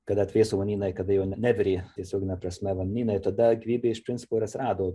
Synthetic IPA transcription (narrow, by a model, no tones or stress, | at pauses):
kɐd̪ɐt̪ʲʋʲeːsoːʋɐnʲiːnɐɪkɐd̪ɐjɛʊnʲnʲæːʋʲɪɾʲiːt̪ʲiɛsʲoːɡʲɪnʲɛpɾɐsʲmʲɛʋɐnʲnʲiːnɐɪt̪ɐd̪ɐɡʲɪʋʲiːbʲeɪɪʃpʲɾʲɪnʲt͡sʲsʲɪ̥poːɪɾɐt̪ʲsʲɪɾɑːd̪oː